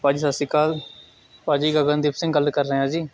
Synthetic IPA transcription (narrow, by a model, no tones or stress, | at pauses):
paːd͡ʒiːsasikaːl | paːd͡ʒiːɡaɡə̃nd̪iːpsɪ̃ŋɡɡəlkəɾːəɦẽaːd͡ʒiː